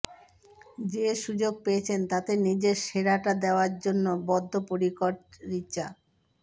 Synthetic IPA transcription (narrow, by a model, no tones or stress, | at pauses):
d͡ʑeʃud͡ʑoɡ̚peet͡ɕʰent̪at̪enid͡ʑeɾʃeɾaʈad̪eoaɾd͡ʑonːobɔd̪ʱːopoɾikoʈɾit͡ɕa